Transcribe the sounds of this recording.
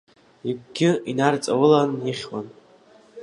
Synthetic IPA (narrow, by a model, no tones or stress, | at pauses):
ikʷɡʲɪinart͡sʼawɨlaniχʲwan